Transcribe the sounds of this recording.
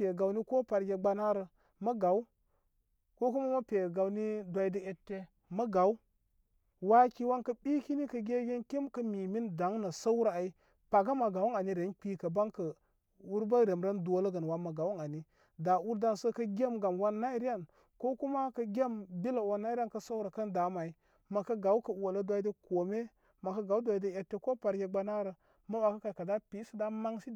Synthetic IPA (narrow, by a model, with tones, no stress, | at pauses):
e˨ɡa˨wni˦ko˦pa˨ɾɡʲe˨ɡ͡ba˦na˦ɾə˨ | mɐ˦ɡa˨wu˦ | ko˦ku˦ma˦ma˦pʲe˨ɡa˨wni˦dʷa˨i˦də˦e˨tːe˦ | mɐ˦ɡa˨˦u˦ | wa˦ki˨wa˦nkə˦ɓi˦ki˦ni˦kə˨ɡʲe˦ɡʲe˦nkʲi˦mkə˦mi˨mi˦nda˨˦ŋna˨sə˦wu˦ɾa˨i˦ | pa˨ɡa˦ma˨ɡa˨wu˦na˨ni˦ɾe˨˦nk͡pi˦kə˨ba˦ŋkə˨ | wu˦ɾba˦ɾe˨mɾa˦ndo˦lə˦ɡə˨n˨wa˦ma˨ɡa˨wu˦ŋa˨ni˦ | da˨wu˦ɾda˦nsə˦kə˦ɡʲe˦mɡa˨mwa˦nːa˦i˦ɾi˦ja˦n | ko˦ku˦ma˦kɐ˦ɡʲe˦mbi˦la˨wa˦nːa˦i˦ɾa˦nkə˦sa˦u˦ɾa˨kə˦nda˨˦ma˨i˦ | ma˨kə˦ɡa˨u˦kə˨˦˨o˨lə˦dʷa˨˦de˦ko˨me˦ | ma˨kə˦ɡa˨˦u˦dʷa˨i˦de˦ja˨tːe˦ko˦pa˨ɾɡʲe˦ɡ͡ba˦na˦ɾə˨ | ma˦wa˨ka˦ka˨ka˨da˦pi˨˦sə˦˨da˦ma˦ŋsi˦